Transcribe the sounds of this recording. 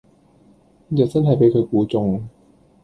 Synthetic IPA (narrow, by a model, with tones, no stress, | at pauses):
ja˨˩sa˥˩ntʰaː˨˩pe˧jkʰɤː˧jkuː˨˦t͡ɕo˧ŋ